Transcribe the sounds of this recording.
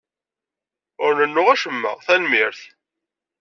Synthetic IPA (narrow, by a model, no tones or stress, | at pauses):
ʊɾnənːʊʁæʃəmːə̰ʁθælmiɾθ